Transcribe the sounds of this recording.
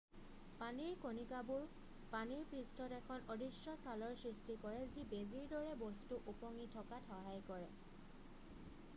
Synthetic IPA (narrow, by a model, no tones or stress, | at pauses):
paniɹkonikabuɹ | paniɹpɹistɔtɛkʰɔnodisɔsalɔɹsɹistikɔɹɛzibeziɹdɔɹɛbɔstuʔupɔŋitʰɔkatʰɔɦajkɔɹɛ